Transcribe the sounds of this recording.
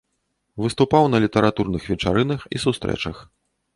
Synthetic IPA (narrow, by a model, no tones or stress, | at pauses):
vɨst̪upawnɐlʲit̪ɐɾat̪urnɨxvʲɛt͡ʂa̰ɾɨnɐxḭsust̪ɾɛ̰t͡ʂɐx